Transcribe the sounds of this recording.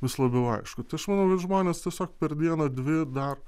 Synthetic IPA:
ʋʲɪslˠɐbʲɛʊɐ̰ɪʃkʊt̪ʲɪɐʃmɐnɐʊkɐt̪ʒmoːnʲeːst̪ʲiɛsʲoːk̚pʲɛrd̪ʲiɛnɐd̪ʲʋʲɪd̪ɐr

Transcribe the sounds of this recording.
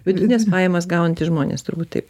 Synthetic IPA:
ʋʲɪd̪ʲʊt̪ʲnʲespɑːjɛmɐsɡɐʊnɐnt̪ʲɪʒmoːnʲḛst̪ʊɾbuːt̪t̪ɐɪp

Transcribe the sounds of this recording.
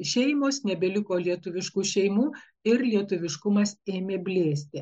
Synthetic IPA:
ʃʲɛɪmoːsnʲɛbʲɛlʲɪkoːlʲiɛt̪ʊʋʲɪʃkuːʃʲɛɪmuː | ɪɾlʲiɛt̪ʊʋʲɪʃkʊmɐseːmʲeːbʲlʲeːsʲt̪ʲɪ

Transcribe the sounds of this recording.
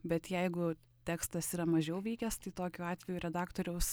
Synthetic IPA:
bʲɛt̪jæɪɡʊ | t̪ʲæːkst̪ɐsiːɾɐmɐʒʲɛʊʋʲiɪkʲɛst̪ɐɪt̪oːkʲuːɑːt̪ʲʋʲɛjuɾʲɛd̪ɑːkt̪oːɾʲɛʊs

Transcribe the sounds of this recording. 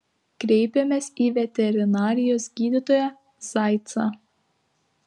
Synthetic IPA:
kɾʲɛɪpʲɛmʲeːsiːʋʲɛt̪ʲɛɾʲɪnɑːɾʲɪjoːsɡʲiːd̪ʲɪt̪oːjɛ | z̥ɑɪt̪sɑ̰

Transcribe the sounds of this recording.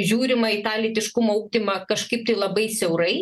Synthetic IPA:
ʒʲuːɾʲɪmɐɪt̪ɑːlʲit̪ʲɪʃkʊmoːuːɡ̚ʲd̪ʲɪmɐkɐʃkɐɪp̚t̪ɐɪlˠɐbɐɪsʲɛʊɾɐɪ

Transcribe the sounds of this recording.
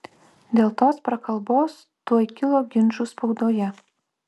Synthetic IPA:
d̪ʲeːlˠt̪oːspɾɐkɐlˠˑboːs | t̪uɔjkʲɪlˠoːɡʲɪnʲʒuspɔʊd̪oːjɛ

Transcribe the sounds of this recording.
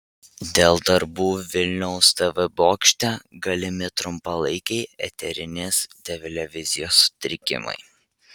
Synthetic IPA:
d̪ʲeːlˠd̪ɐɾbuːʋʲɪlʲnʲɛʊst̪ɐʋɪboːkʃʲt̪ʲɛɡɐlʲɪmʲɪt̪ɾʊmpɐlˠɐɪkʲɛɪɛ̰t̪ʲɛɾʲɪnʲeːst̪ʲɛʋʲɪlʲɛʋʲɪzʲɪjoːsːʊ̥t̪ʲɾʲɪkʲɪ̰mɐ̰ɪ

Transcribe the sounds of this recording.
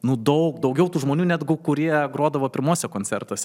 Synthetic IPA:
nʊd̪ɔʊkd̪ɒʊɡʲɛʊt̪uːʒmoːnʲuːnʲæd̪ɡʊkʊɾʲiɛɡɾoːd̪ɐʋoːpʲɪɾmoːsʲɛkoːnʲt͡sʲɛrt̪oːsʲɛ

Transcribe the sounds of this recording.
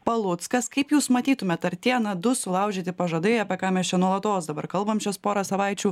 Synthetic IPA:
pɐlˠʊt̪skɐskɐɪpjuːsmɐt̪ʲiːt̪ʊmʲɛt̪ɐɾt̪ʲiɛnɐd̪ʊsʊlˠɐˑʊʒʲeːt̪ʲɪpɐʒɐd̪ɐɪɐːpʲɛkɑːmʲɛst͡ʃʲɛnuɔlˠɐt̪oːsd̪ɐbɐɾkɐlˠbɐmt͡ʃʲɛspoːɾɐsɐʋɐɪt͡ʃʲuː

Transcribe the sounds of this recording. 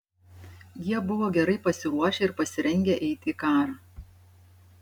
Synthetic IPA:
jiɛbʊʋoːɡʲɛɾɐɪpɐsʲɪɾuɔʃʲeːɪɾpɐsʲɪɾʲɛŋʲɡʲeʔɛɪt̪ʲiːkɑːɾɑ

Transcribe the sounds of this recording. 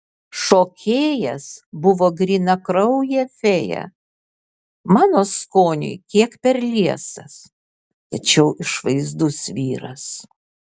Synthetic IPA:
ʃoːkʲʰeːjɛsbʊʋoːɡɾʲiːnɐkɾɒʊjɛfʲeːjɛ̰ | mɑːnoːskoːnʲɪ̰ɪkʲiɛkpʲɛɾlʲiɛsɐs | t̪ɐt͡ʃʲɛʊʔɪʃʋɐɪzd̪ʊsʋʲiːɾɐs

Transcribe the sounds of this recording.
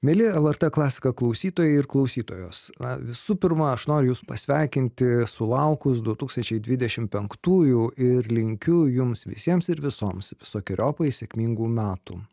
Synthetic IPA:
mʲeːlʲɪɛlˠɐɾt̪ɛklˠɑːsʲɪ̥kɐklˠɐʊsʲiːt̪oːjɛɪɪɾklˠɐʊsʲiːt̪oːjoːsnɐ̰ʋʲɪsuːpʲɪɾmɐɐʃnoːɾʲʊjuːsʊ̥pɐsʲʋʲɛɪkʲɪnʲt̪ʲɪsʊlˠɐʊkʊs̬d̪ʊt̪uːkst̪ɐnʲt͡ʃʲɛɪd̪ʲʋʲɪd̪ʲɛʃʲɪmpʲɛŋkt̪uːjuːɪɾlʲɪŋʲkʲʊjʊmsʋʲɪ̰sʲiɛmsɪɾʋʲɪsoːmsʋʲɪsoːkʲɪɾʲoːpɐɪsʲɛkʲmʲiːŋɡuːmʲæːt̪ṵː

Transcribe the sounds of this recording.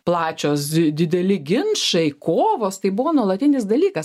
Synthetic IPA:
plˠɑːt͡ʃʲoːsd̪ʲɪd̪ʲɛlʲɪɡʲɪnʃɐɪkoːʋoːst̪ɐɪbʊʋoːnuɔlˠɐt̪ʲɪnʲɪsd̪ɐlʲiːkɐs

